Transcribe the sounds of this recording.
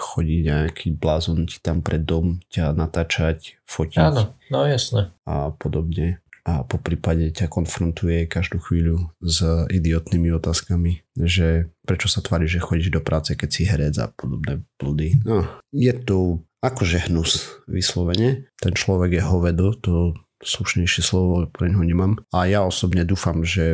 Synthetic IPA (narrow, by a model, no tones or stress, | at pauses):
xɔɟiɲaakʰiblaːzɔnci̥t̪ampɾʔɛd̪ɔmcanat̪aːt͡ʃacfɔciaːnnɔjasnɛapɔd̪ɔbɲɛapɔpɾiːpaɟɛcakɔnfɾɔnt̪ujɛkaʒd̪uːxʋiːʎuzid̪iɔt̪nimiɔt̪aːskamiʒɛpɾɛt͡ʃɔsat̪ʋaːɾiʒʒɛxɔɟiʒd̪ɔpɾʔaːt͡sɛkɛcsiɦɛɾɛd͡za̰pɔd̪ɔbnɛːb̥l̩d̪inɔjɛt̪ɔ | akɔʒɛɦnusʋḭslɔʋɛɲɛt̪ɛnt͡ʃlɔʋɛɡjɛɦɔʋɛd̪ɔt̪ɔ | sluʃɲɛjʃɪɛslɔʋɔpɾɛɲɦɔɲɛmamajaɔsɔbɲɛd̪uːfamʒɛ